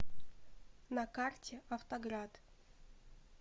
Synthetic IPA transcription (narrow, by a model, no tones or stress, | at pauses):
nɐkartʲʰɪɐft̪ɐɡɾad̪